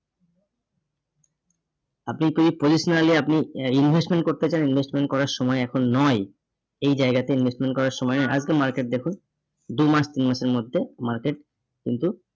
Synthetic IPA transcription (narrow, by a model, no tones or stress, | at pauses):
apnikibipod͡ʑiʃonaliapniinbʱesʈmeɳʈ̚koɾt̪et͡ɕaninbʱesʈmeɳʈ̚kɔɾaɾʃɔmɔeɛkʰonːɔj | ejd͡ʑaeɡat̪einbʱesʈmeɳʈ̚kɔɾaɾʃɔmɔenaa̰d͡ʑkemaɾkeʈ̚d̪ekʰun | d̪umaʃt̪inmaʃeɾmod̪ʱːemaɾkeʈ̚ | kint̪u